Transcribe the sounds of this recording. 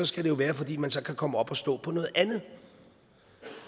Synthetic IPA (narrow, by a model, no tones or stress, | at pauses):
ɒ̽sɡ̥æɾ̥e̝jo̝ʋæːɐfɒ̽d̥ḭːmænsɒ̽kʰækʰɒ̽məɒ̽b̥ɒ̽sd̥ɔ̰̽ːpʰɒ̽nɔ̽ːð̞̩ˠʔænð̩ˠ